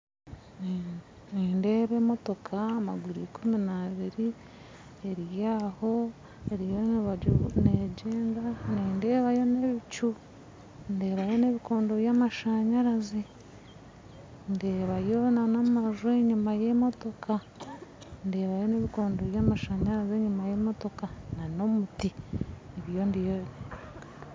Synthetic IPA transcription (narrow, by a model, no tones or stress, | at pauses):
n | niːnde̞ːβe̞mo̞to̞kʰaːmaɡwiɾikʰuminaβiɾi | eɾijaːho̞ | eɾijoniβaɟneɟeːŋɡaniːnde̞ːβajo̞ne̞βit͡ʃu | nde̞ːβajo̞ne̞βiko̞ːndo̞βjaːmaʃaɲaɾazi | nde̞ːβajo̞nanommaʒueɲumajemo̞to̞kʰa | nde̞ːβajo̞ne̞βikoːndoβjaːmaʃaɲaɾazeɲumajemo̞to̞kanano̞muti | eβjo̞ndijo